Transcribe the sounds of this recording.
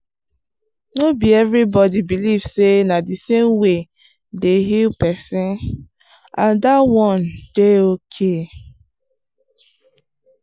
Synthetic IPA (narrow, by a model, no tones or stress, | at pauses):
nobiɛvɾibɔdibilivsenadisemwe | deɦilpɛsĩn | ãndawɔ̃nd̥eokʰe